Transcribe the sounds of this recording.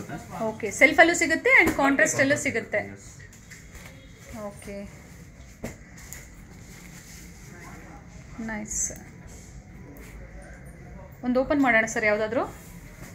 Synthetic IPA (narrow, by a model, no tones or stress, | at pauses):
oːkeselpʰɐlːusiɡut̪ːeɐɳɖkaːɳʈɾaːsʈɐlːusiɡut̪ːe | oːke | nɐjs | ond̪oːpɐnmaːɽɐɳɐsɐɾjaːʋud̪aːd̪ɾuː